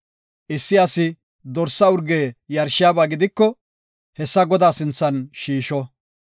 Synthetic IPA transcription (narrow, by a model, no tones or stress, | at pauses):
ʔɪsːɪɐsɪ | d̪ɔɾsːɐʊɾɡeːjɐɾʃɪjaːbaːɡɪd̪ɪkːɔ | hɛsːɐɡɔd̪aːsɪnt͡sːɐnʃiːʃɔ